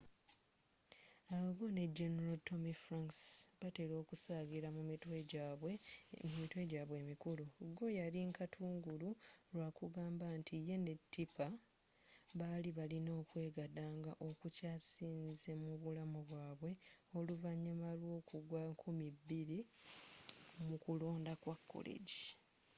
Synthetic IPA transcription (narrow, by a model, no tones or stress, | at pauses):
aβaɡo̞ne̞d͡ʒeneɾalto̞mifɾaŋksbate̞ɾo̞ːkusaːɡiɾamuiteɟwemumitwe̞ɟaːβwe̞ːmikuluɡo̞jaliŋkatʰuːŋɡuluɾwaːkuɡaːmbantʰije̞ne̞tʰːipa | βaliβalino̞ːkwe̞ːɡadaːŋɡaʔo̞kucaːsiːnze̞muβulamuβwaːβwe̞o̞luvaɲːimalwo̞ːkuɡwaŋkʰumibːiɾi | mukulo̞ːndakwakːo̰lḛɟi